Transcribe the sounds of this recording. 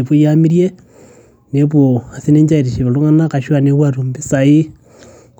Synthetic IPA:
eβo˦jamiɾje˦ | neβwoa˨si˦ne˦ɲd͡ʒa˦iɾi˨ʃe˨βe˨lo˦ŋanaka˨ʃwaneβwaɾumbe˦sai˦

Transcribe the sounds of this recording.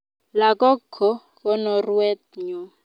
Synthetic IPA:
la˨kɔ˦kʰːɔ˦ | kɔ˦nɔ˨ru˦ɛ˦t̪̚ɲɔ˨˦

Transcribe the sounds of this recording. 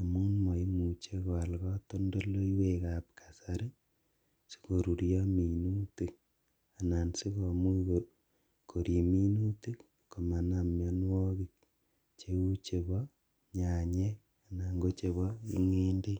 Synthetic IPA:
a˨mu˦nma˨i˦mu˨t͡ʃe˦kɔ˨a˨lkɔ˦to˦ndo˦lo˦iwe˦ka˨pkʰḁ˨sa˨ɾe˦ | si̥˦ko˨ɾu˨ɾjɔ˦mi˨nu˦ti˨k̚ | a˨na˨nsi˦ko˨mu˦ko | kʰo˨ɾi˨mi˦nu˦ti˦k | ko˨ma˨na˨mja˦nwɔ˦ki˦k | t͡ʃe˦u˦t͡ʃe˨βɔ˦ | ɲa˨ɲe˦k | a˨na˨ŋɡo˦t͡ʃe˨βɔ˦ḭ˦ŋe˦nde˦

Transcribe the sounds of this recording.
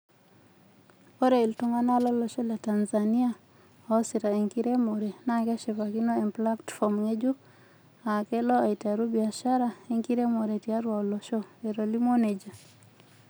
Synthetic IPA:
o˦ɾe˨i˨ltu˦ŋa˦na˦lɔ˦lɔ˨ʃɔ˦la˨ta˨nza˨ni˦a˦ | ɔ˨˦si˨ɾa˨e˨ŋki˦ɾe˦mo˨ɾe˨na˦ŋɡɛ˦ʃe˨pa˨ki˦no˦e˨mpla˦tfɔ˨mŋe˦d͡ʒu˦ | a˨kɛ˦lɔ˦a˨i˨ta˨ɾu˦bi˨a˨ʃa˦ɾa˦e˨ŋki˦ɾe˦mo˨ɾe˨tia˦ɾwa˨ɔ˨lɔ˨ʃɔ˦e˨ɾo˨li˦mo˦ne˨d͡ʒa˨

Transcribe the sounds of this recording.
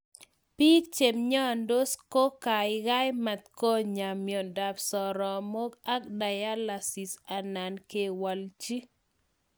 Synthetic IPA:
pi˦t͡ʃe˨mɲɔ˦a˨ndo˦sko˦ka˨ɪ˦ɡa˦jma˨t̪ko˦ɲa˨mjɔ˨da˨psɔ˨ɾɔ˨mo˦ɡa˦kda˨ja˦la˨si˨sa˨na˨nke˨wa˨lt͡ʃi˦

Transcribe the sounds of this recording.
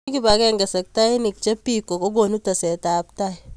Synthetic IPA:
ki˦ba˨ke˦ŋɡa˨sɐ˨k̚ta˦i˦ni˨k̚t͡ʃe˦pi˦kːo˨ko˦ɡo˨nu˦ta˨se˨ta˨pta˦˨

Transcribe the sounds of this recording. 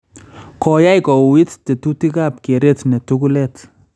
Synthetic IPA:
kɔ˨ja˦jkɔ˨wi˦tte˨tu˦ti˦kap̚ke˨ɾetne˨tuku˦let

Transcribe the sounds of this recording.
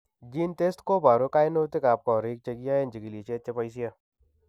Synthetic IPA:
d͡ʒint̪e˦stko˦baː˨ɾo˦kaːjno˦t̪e˦kaː˨p̚kɔɾe˦k̚t͡ʃəɡija˦e˦nd͡ʒə˨ɡi˨lit͡ʃe˦t̪t͡ʃepəjsija

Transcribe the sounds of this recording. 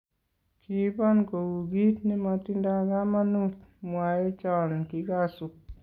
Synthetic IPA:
kʰi˨˦bɔ˦nko˨wu˨ɡi˦tni˦ma˧ti˦nda˧ɡa˦ma˦nu˦t̚mwa˨jɔ˦t͡ʃɔ˨nki˨ɡka˦su˨k̚

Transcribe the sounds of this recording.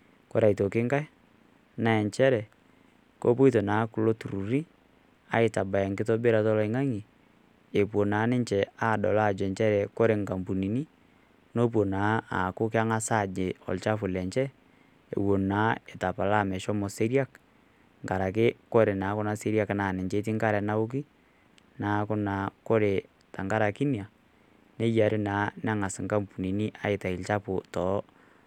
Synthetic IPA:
kɔ˦ɾa˨i˨to˨kɪ˦ŋka˦j | na˦ɛ˨ɲt͡ʃɛ˦ɾɛ˨ | ko̰˦pu˦i˦to˨na˨˦kʊ˦lo˦tu˨ɾu˨ɾi˦ | a˨ɪ˨ta˨ba˨ɛ˨ŋkɪ˦tɔ˦be˦ɾa˨tɔ˦lɔ˦i˨ŋa˦ŋi˨ | e˨pwo˨na˨˦nɪ˦ɲt͡ʃɛ˨a˦˨dɔ˨la˦˨d͡ʒɛ˨nt͡ʃɛ˦ɾɛ˨kɔ˦ɾe˨ŋka˨mbu˨ni˨ni˦ | no˦p̬wo˨na˨˦a˨kʊ˦k̬ɪ˦a˦ŋa˦sa˦˨d͡ʒe˨ɔ̰˨lt͡ʃa˦fʊ˨lɛ˨ɲt͡ʃɛ˦ | ḛ˨wo˨naː˨˦ɛ˨ta˨pa˨la˦˨mɛ˨ʃɔ˦mɔ˨se˦ɾja˦k | ŋɡa˨ɾa˨kɪ˦kɔ˦ɾe˨naː˨˦kʊ˦na˦se˦ɾja˦knaː˨nɛ˨t͡ʃe˦t̬i˦ŋka˦ɾɛ˨na˦ʊ˦k̬i˦ | naː˨˦kʊ˦na˨kɔ˦ɾe˨ | ta˨ŋɡa˦ɾa˨ki˦nja˨ | ne˦ja˨ɾɪ˦naː˨˦na˦ŋa˨sɪ˨ŋɡa˦mpu˨ni˨ni˦ʔa˦ɪ˨ta˨ɪ˨lt͡ʃa˦pʊ˨tɔ˨˦

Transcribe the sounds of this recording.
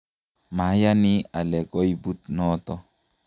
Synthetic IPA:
ma˨˦ja˦nɪ˦a˨lɛ˨ɡɔ˦i˦bu˦t̪nɔ˦t̪ɔ˦

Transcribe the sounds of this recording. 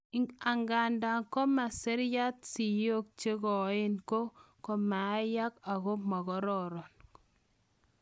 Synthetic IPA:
a˨ŋɡa˨nda˨ŋkɔ˦ma˨sɛ˦ɾja˦t̚si˨jo˦k̚t͡ʃe˦ɣɔ˨˦ɪ˦nko˦ | kɔ˨ma˨a˦ja˦ka˨ɣɔ˦ma˨ɣɔ˦ɾɔ˨ɾɔ˨n

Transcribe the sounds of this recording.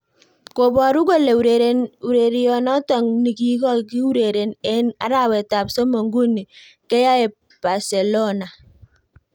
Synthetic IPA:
ko˨bɔ˨ɾu˦ko˦le˨u˨ɾe˨ɾe˦u˨ɾe˨ɾi˦jɔ˨nɔ˦tɔ˨ŋni˨ki˦kɔ˦ki˦u˦ɾe˨ɾe˨nɛ˦na̰˨˦ɾa˦wɛ˨ta˨pso˦mo˨ŋɡu˦ni˨ | kɛ˦ja˦ɛ˨ | b̥a˨se˨lo˦na˨

